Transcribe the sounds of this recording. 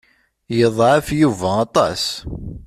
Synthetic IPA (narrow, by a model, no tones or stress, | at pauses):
jəðˤʕəfjuvæɑt̪ˤɑ̰s